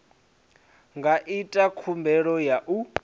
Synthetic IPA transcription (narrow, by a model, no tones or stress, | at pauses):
ŋɡʱaʔitʼakʰumbʱɛɺɔjaʔu